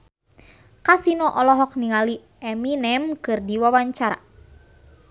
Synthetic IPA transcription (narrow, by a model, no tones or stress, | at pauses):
kasinɔʔɔlɔɦɔk̚niŋali | ɛminɛmkɨrdiwawaɲt͡ʃaɾa̰